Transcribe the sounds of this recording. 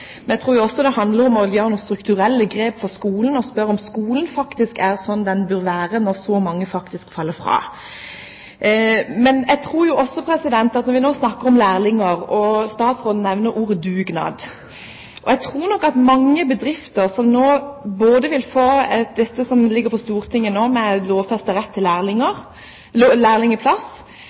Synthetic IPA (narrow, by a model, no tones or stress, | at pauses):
mɛnæɪt̪ʰʁuːjʊɔsːɔd̪ɛhɑnd̪ləɾɔmɔjøːɾənuːst̪ɾʉkt̪ʉɾɛlːəɡɾeːpfɔʁskuːlənɔspœɾɔmskuːlənfɑkt̪ɪskæʁsɔnːd̪ɛnbøːɾʋæːɾənɔʁsɔmɑŋːəfɑkt̪ɪskfɑlːəfɾɑ̰ː | mɛnæɡ̚t̪ʰɾuːɾjʊʔɔsːɔpʰɾɛsɪd̪ɛnt̪ɑt̪nɔɾʋɪnoːsnɑkːəɾɔmlæːʁlɪŋəɾɔst̪ɑːt̪sʁoːd̪n̩nɛʋnəɾuːɾəd̪ʉːɡnɑ̰ːd̪ | ʔɔɛt̪ʰɾuːɾnɔkːɑt̪mɑŋːəbəd̪ɾɪft̪əʁsɔmnoːboːd̪əʋɪlfoːɛd̪ɛt̪ːəsɔmlɪɡːəɾpʰɔst̪uːʁt̪ʰɪŋːənoːmɛloːʋfɛst̪əɾɛt̪ʰːɪlæːlɪŋəʁ | læːʁlɪŋəpʰlɑs